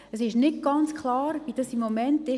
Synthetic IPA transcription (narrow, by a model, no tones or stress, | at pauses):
əsɪʃnɪt̚ɡ̥ɑnt͡skχlˠɑːɾʋid̥ɑsimːomɛntɪ